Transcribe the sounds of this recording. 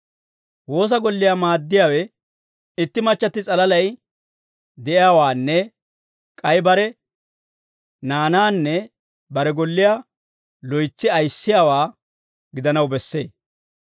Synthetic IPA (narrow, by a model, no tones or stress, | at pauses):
wo̞ːs̬ɐɡɔlːɪjamaːd̪ːɪjaːwɛ | ɪt̪ːɪmɐt͡ʃːɐt̪ːɪt͡sʼɐlɐlɐj | d̪ɛʔɪjaːwaːnːɛ | kʼɐjbɐɾɛ | naːnaːnːɛ | bɐɾɛɡɔlːɪjaː | lɔjt͡sːɪɐjsːɪjaːwaː | ɡɪd̪ɐnɐwbɛsːe̞̰ː